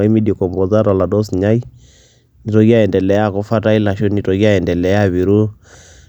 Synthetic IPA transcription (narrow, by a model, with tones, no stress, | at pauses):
a˦i˦mi˦di˨kɔ˨mbɔ˨za˦ɾa˨la˨dɔ˦sɲa˦i˦ | ni˨tɔ˦ɡi˦a˦jɛ˨ndɛ˨lɛ˨ja˦˨kɔ˨˦fa˦ta˦i˦la˨ʃo˦ni˨tɔ˨ɡi˦a˦jɛ˨ndɛ˨lɛ˨ja˦˨βi˨ɾu˦